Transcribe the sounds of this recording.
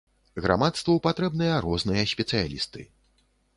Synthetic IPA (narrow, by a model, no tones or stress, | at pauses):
ɣɾa̰mat̪st̪vɐwpat̪ɾɛbnɨjɐɾɔznɨjɐsʲpʲɛt̪sɨja̰lʲḭst̪ɨ